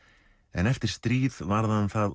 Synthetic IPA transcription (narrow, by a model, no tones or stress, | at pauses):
ɛ̰nɛft̪ɪɾ̥st̪ɾiːðvaɾðanθað